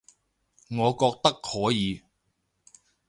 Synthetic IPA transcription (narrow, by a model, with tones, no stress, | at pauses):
ŋɔː˨˧kɔː˧k̚t̪ɐ˥k̚hɔː˨˥jiː˨˧